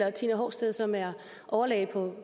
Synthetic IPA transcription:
ɐt͡sʰinəɦɒ̰ːsd̥eðˠsɒ̽mæɐ | ʔɒʊɐlɛ̰ːɪpʰɒ̽

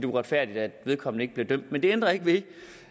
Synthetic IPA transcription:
d̥e̝ʁad̥fæɐ̰d̥id̥æd̥ʋe̝ð̞ˠkʰɒ̽mn̩e̝ɡ̥̚b̥liɐd̥øm̰d̥mend̥e̝end̥ʁɐe̝ɡ̥əʋi

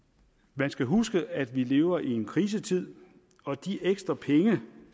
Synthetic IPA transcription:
mænsɡ̥æɦusɡ̥əæd̥ʋile̝ːʊɐʔie̝nkʰʁiːs̬ət͡sʰið̞̰ˠ | ɒ̽d̥iʔeɡ̥sd̥ʁɐpʰeŋə

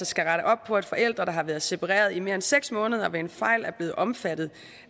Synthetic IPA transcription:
ɐsɡ̥æʁɑɾəʔɒ̽b̥̚pʰɒ̽ed̥fɒ̽ʔel̰d̥ʁɐɾ̥ɑ̈ɦɑ̈ʋæːɐðˠse̝pʰɑ̈ʁɛ̰ːɐð̞ˠime̝ɐenseɡ̥smɔ̽ːnəð̞ˠɐʋeenfɑ̈ɪ̰læɐb̥le̝ːð̩ˠʔɒ̽mfæd̥ð̩ˠ

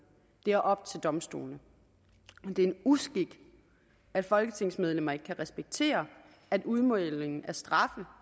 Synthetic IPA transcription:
d̥e̝æɐʔɒ̽b̥̚t͡sʰe̝ld̥ɒ̽msd̥o̝̰ːlnə | d̥e̝ɐe̝nusɡ̥iɡ̥ | æd̥fɒ̽lɡ̥ət͡sʰe̝ŋ̰smeð̞ˠlem̰ɐkʰːæʁɛsb̥eɡ̥̚t͡sʰe̝̰ːɐ | æd̥uð̞ˠmɔðleŋn̩æɐsd̥ʁɑ̈fə

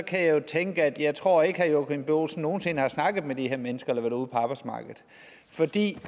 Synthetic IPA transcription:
ɒ̽kʰæjɑ̈jo̝t͡sʰeŋɡ̥əæd̥jɑ̈ɪt͡sʰʁo̝ɐ̰e̝ɡ̥əhɑ̈joɡ̥inb̥o̰ːlsn̩ːo̝ːn̩se̝nəhɑ̈snɑ̈ɡ̥ð̩ˠmed̥iheɐ̰menəsɡ̥ɐelɐʋæɾ̥uːpʰɒ̽ɑ̈ːb̥ɑ̈ɪ̥smɑ̈ːɡ̥ð̞̩ˠ | fɒ̽d̥ḭː

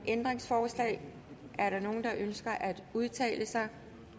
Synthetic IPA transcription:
ʔend̥ʁeŋsfɒːslɛ̰ɪ | ʔæɐɾ̥ɑ̈no̝ːn̩d̥ɑ̈ʔønsɡ̥ɐʔæd̥uð̞ˠt͡sʰɛ̰ːləsɑ̈ɪ

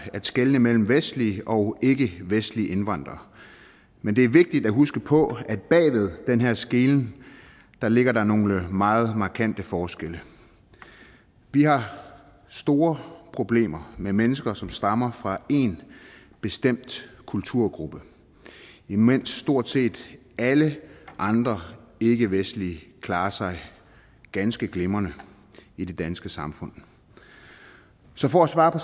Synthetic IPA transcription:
ædsɡ̥elnəmel̰m̩ʋesd̥liəɒ̽ʊe̝ɡ̥əʋesd̥liʔe̝nʋɑ̈n̰d̥ʁɐ | mend̥e̝æɐʋe̝ɡ̥̚d̥id̥æɦusɡ̥əpʰɒ̽æd̥̚b̥ɛ̰ːʋe̝ð̞ˠd̥enɦeɐ̰sɡ̥e̝ːln̩ | d̥ɑ̈le̝ɡ̥ɐɾ̥ɑ̈no̝ləmɑ̈ːð̞̩ˠmɑ̈kʰæn̰d̥əfɒːsɡ̥elə | ʋihɑ̈ | sd̥o̝ːɐpʰʁo̝b̥le̝̰ːmɐmemenəsɡ̥ɐsɒ̽msd̥ɑ̈mɐfʁɑ̈e̝n | b̥e̝sd̥em̰d̥kʰult͡sʰuɐ̰ɡ̥ʁub̥ə | imen̰sːd̥o̝ɐ̰d̥se̝̰ːd̥ | æləʔɑ̈nd̥ʁɐe̝ɡ̥əʋesd̥l̩ikʰlɑ̈ːɐsɑ̈ɪ | ɡ̥ænsɡ̥əɡ̥le̝mɐnə | id̥e̝d̥ænsɡ̥əsɑ̈mfɔ̽n̰ | sɒ̽fɒ̽æsʋɑ̈ːpʰɒ̽

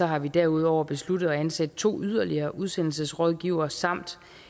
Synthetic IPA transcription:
ɒ̽ɦɑ̈ʋid̥æɐuð̞̰ˠɒʊ̰ɐb̥e̝sludðˠɒ̽ænsæd̥̚t͡sʰo̝̰ːyð̞ˠɐliɐːʔuð̞ˠsen̰l̩səsʁɔð̞ˠɡ̥iʊɐsɑ̈m̰d̥

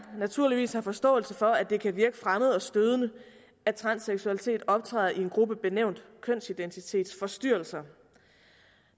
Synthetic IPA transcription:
næt͡sʰuɐliʋḭːshɑ̈fɒ̽sd̥ɔ̰̽ːl̩səfɒ̽æd̥e̝kʰæʋiɐɡ̥əfʁaməð̞̩ˠɒ̽sd̥øð̞ˠnə | æt͡sʰʁɑ̈nseɡ̥suælit͡sʰe̝̰ːd̥ɒ̽b̥̚t͡sʰʁɛ̰ːð̩ˠie̝nɡ̥ʁub̥əb̥e̝neʊ̰nd̥kʰœn̰sid̥ent͡sʰit͡sʰe̝̰ːd̥sfɒ̽sd̥yɐ̰lsɐ

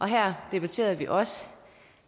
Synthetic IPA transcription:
ʔɒ̽ɦæɐ̰d̥e̝b̥æt͡sʰe̝̰ːɐðˠʋiʔɒ̽sə̥

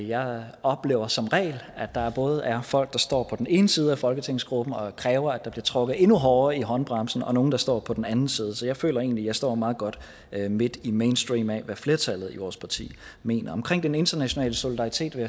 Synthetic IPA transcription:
jɑ̈ɪɒ̽b̥le̝̰ːʊɐsɒ̽mʁɛ̰ːlæ̥ɑ̈æɐb̥ɔ̽ːð̞ˠʔæɐfɒ̽l̰ɡ̥̚d̥ɑ̈sd̥ɒ̰ːpʰɒ̽d̥ene̝ːnəsiːð̩ˠæfɒ̽lɡ̥ət͡sʰeŋ̰sɡ̥ʁub̥n̩ɒ̽kʰʁɛːʊɐæd̥ɑ̈b̥liɐt͡sʰʁɔ̽ɡ̥ð̩ˠe̝nuɦɒːɐiɦɒ̽nb̥ʁɑ̈msn̩ɒ̽no̝ːn̩d̥ɑ̈sd̥ɒ̰ːpʰɒ̽d̥enænn̩siːð̞ˠsɒ̽jɑ̈ɪfø̰ːlɐe̝̰ːn̩lijɑ̈ɪsd̥ɒ̰ːmɑ̈ːð̞̩ˠɡ̥ɒ̽d̥ | me̝d̥imeɪnsd̥ʁiːmɛʋæfle̝ːɐt͡sʰælð̞̩ˠiʋɒːspʰɑ̈t͡sʰḭː | me̝̰ːnɐɒ̽mkʰʁeŋ̰d̥ene̝nd̥ɐnæɕo̝nɛ̰ːləso̝lid̥ɑ̈ʁit͡sʰe̝̰ːd̥ʋeæ

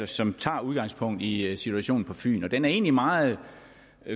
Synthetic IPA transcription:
ɐsɒ̽mt͡sʰɑ̈ːuð̞ˠɡ̥ɑ̈ŋspʰɔ̽ŋ̰d̥isit͡sʰuæɕo̝̰ːn̩pʰɒ̽fy̰ːnɒ̽d̥enæɐe̝̰ːnlimɑ̈ːð̩ˠ

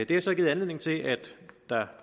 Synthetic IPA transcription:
d̥e̝æsɒ̽ɡiːð̩ˠænle̝ðˠneŋt͡sʰe̝ʔæd̥ɑ̈

